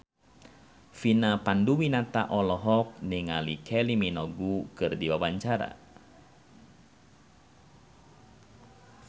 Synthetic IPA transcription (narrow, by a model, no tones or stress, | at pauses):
finapanduwinat̪aʔɔlɔɦɔk̚niŋalikʰɛliminɔɡukɨrdiwabaɲt͡ʃaɾa̰